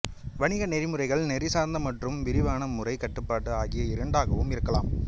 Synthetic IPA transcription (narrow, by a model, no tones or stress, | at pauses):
ʋɐɳɪɣɐnɛɾɪmɯrɐɪɣɐɭnɛɾɪsaːɾnd̪ɐmɐʈrɯmʋɪɾɪʋaːɳɐmːɯrɐɪkɐʈːɯpːaːʈːɯaːɣɪjɐɪɾɐɳɖaːɣɐʋɯmɪɾɯkːɐlaːm